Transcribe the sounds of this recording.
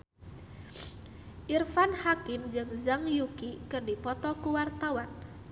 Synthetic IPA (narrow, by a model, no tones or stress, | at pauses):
ʔirfanhakɪmd͡ʒɨŋzaŋjukikɨrdipɔt̪ɔkuwart̪awan